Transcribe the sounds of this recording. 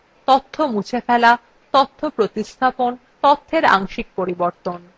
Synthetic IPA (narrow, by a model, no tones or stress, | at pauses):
t̪ot̪ʰːomut͡ɕʰefɛla | t̪ot̪ʰːopɾot̪ist̪ʰapon | t̪ot̪ʰːeɾa̰ŋʃik̚poɾiboɾt̪on